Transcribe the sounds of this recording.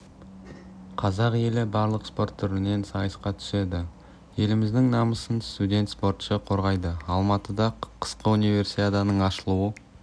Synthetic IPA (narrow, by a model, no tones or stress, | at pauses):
qʰɑzɑqje̞lɪbɑɾlˠəqspo̞rt̪ʰːʏɾɪne̞nsɑjəsqɑt̪ʰʏ̥se̞d̪ɪ | je̞lɪmɪzd̪ɪŋnɑməsənst̪ud̪ʲe̞nt̪spo̞rt̪ʃəqʰo̞ɾʁɑjd̪əɑlˠmɑt̪əd̪ɑqʰə̥sqəunijve̞ɾsit̪ʲet̪ɑnəɴɑʃəlˠuwə